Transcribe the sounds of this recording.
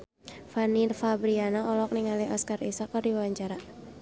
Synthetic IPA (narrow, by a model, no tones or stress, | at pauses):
fanirfabɾianaʔɔlɔk̚niŋaliɔskarisakardiwawaɲt͡ʃaɾa